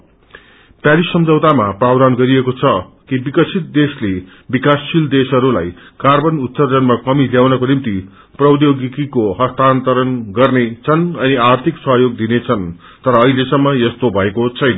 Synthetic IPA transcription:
pjaɾisʌmd͡zʌwt̪amaprawd̪anɡʌɾiekot͡sʰʌ | kibikʌt͡sʰit̪̚d̪esle | bikasːild̪esʌɾula̰jkarbʌnut̪ːʌrd͡zʌnmakʌmiljawnʌkonimt̪i | prʌwd̪joɡikikoɦʌst̪ant̪ʌɾʌnɡʌrnet͡sʰʌnʌniart̪ʰiksʌɦjoɡd̪inet͡sʰʌn | t̪ʌɾʌːɦilesʌmːʌjʌst̪obʱʌekot͡sʰʌjnʌ

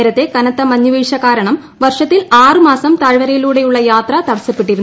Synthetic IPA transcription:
ɾɐt̪ːe̞kɐnɐt̪ːɐmɐɲːuʋiːʂɐkaːɾɐɳɐm | ʋɐrʂɐt̪ːilaːrɨmaːsɐmt̪ɐɻʋɐɾɐjiluːɽe̞juɭːɐjaːt̪rɐt̪ɐɽɐsipːeʈːiɾun

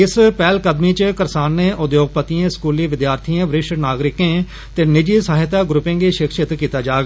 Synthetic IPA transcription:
ɪspɛːlkəd̪miːt͡ʃkəɾsaːnːeːʔʊd̪joːɡ̚pət̪iãːskuːliːʋɪd̪jaːɾt̪ʰiãːʋɾɪʃnaːɡɾɪkẽː | t̪eːnɪd͡ʒiːsəɦɪt̪aːɡɾʊpẽːɡiːʃɪkʃɪt̪kiːt̪aːd͡ʒaːɡa

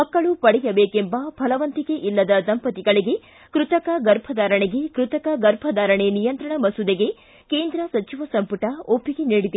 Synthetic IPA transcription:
mɐkːɐɭupɐɽɛjɐbeːkembɐbʱɐlɐʋɐnt̪iɡe̞ʔilːɐd̪ɐsɐmpɐt̪iɡɐɭiɡe̞ | kɾut̪ɐkɐɡɐɾbʱɐd̪aːɾɐɳeɡe̞kɾut̪ɐkɐɡɐɾbʱɐd̪aːɾɐɳenijɐnt̪ɾɐɳɐmɐsud̪eɡe̞ | keːnd̪ɾɐsɐt͡ʃiʋɐsɐmpuʈɐopːiɡeniːɽid̪i

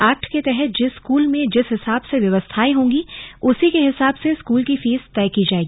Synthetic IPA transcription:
aːk̚ʈket̪ɛɦɛt̪̚d͡ʒɪskuːlmẽd͡ʒɪsɦɪsaːbseʋjɐʋəst̪ʰaːiɦõːŋɡiʊsikeɦɪsaːbseskuːlkifiːzt̪ɛːkid͡ʒaːeːɡiiː

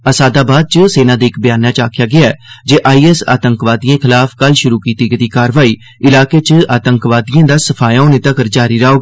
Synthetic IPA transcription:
əsaːd̪aːbaːd̪̚t͡ʃəseːnãːd̪iːɪkbɪjaːnãːt͡ʃaːkʰɪjaːɡɪaɛːd͡ʒeːʔaːiːɛːsa̰ːt̪əŋkʋaːd̪iãːkʰɪlaːfkəlʃʊɾuːkiːt̪iːkd̪iːkaːɾʋaːiː | ɪlaːkeːt͡ʃaːt̪əŋkʋaːd̪ijãːd̪aːsəpʰaːjaːoːneːt̪əkəɾd͡ʒaːɾiːɾaːoːɡ

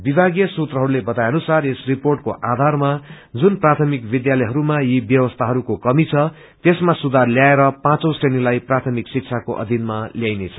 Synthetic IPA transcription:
bibʱaɡijʌsut̪rʌɦʌɾulebʌt̪ajʌnusaresriporʈkoʔad̪ʱarma | d͡zunprat̪ʰʌmikbid̪jalʌjɦʌɾumajibjʌwʌst̪ʰaɦʌɾukokʌmit͡sʰʌ | t̪esmasud̪ʱarljaeɾʌpãt͡sõw̃srenilajprat̪ʰʌmiksik̚t͡sʰakoʔʌ̰d̪ʱinmaljajnet͡sʰʌ̥

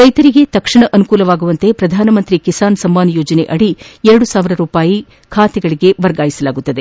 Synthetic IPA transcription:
ɾɐjt̪ɐɾiɡe̞t̪ɐkʂɐɳɐʔɐnukuːlɐʋaːɡuʋɐnt̪e̞pɾɐd̪ʱaːnɐmɐnt̪ɾikisaːnsɐmːaːnɐjoːd͡ʒɐne̞̰ʔɐɽiɛɾɐɽusaːʋiɾɐɾuːpaːji | kʰaːt̪ɛɡɐɭiɡe̞ʋɐɾɡaːjisɐlaːɡut̪ːɐd̪e

